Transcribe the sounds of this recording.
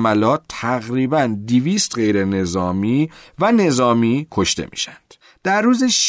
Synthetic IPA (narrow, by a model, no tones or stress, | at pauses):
mælɒːt̪ʰːæɣɾiːbænd̪iviːst̪ɢe̞jɾe̞ne̞zɒːmiːvæne̞zɒːmiːkʰo̞ʃt̪ḛmḭːʃænd̪̥ | d̪̥æɾːuːzeʃ